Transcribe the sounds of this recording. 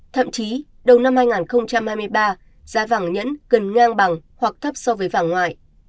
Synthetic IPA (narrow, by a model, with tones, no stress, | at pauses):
t̪ʰə̰˧˨mt͡ɕi˨˦ | ɗə˨˩wna˧mhaː˧jŋaː˨˩nxə˧wŋ͡mt͡ɕa˧mhaː˧jmɨ˧əjɓaː˧ | z̥aː˨˦vaː˧˩ŋɲə̰˧˥nkə˨˩nŋaː˧ŋɓa˨˩ŋhwa˨˩k̚t̪ʰə˦˥p̚sɔ˧vəː˨˦jvaː˧˩ŋːwa̰ː˧˨j